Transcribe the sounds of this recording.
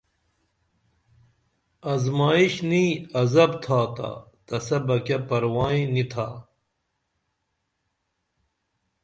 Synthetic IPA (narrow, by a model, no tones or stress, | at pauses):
ɐzmaːiɕniːɐzɐbt̪ʰaːt̪a̰ | t̪ɐsɐbɐkepɐɾwaːĩnit̪ʰaː